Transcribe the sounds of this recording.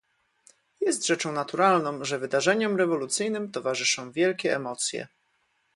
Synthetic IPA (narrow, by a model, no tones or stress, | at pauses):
jɛst̪ʐɛt͡ʂɔ̃w̃nat̪uɾalnɔ̃w̃ʐɛvɘd̪aʐɛɲɛmɾɛvɔlut̪sɘjnɘmt̪ɔvaʐɘʂɔ̃w̃vʲjɛlkʲɛːmɔt̪sʲjɛ̰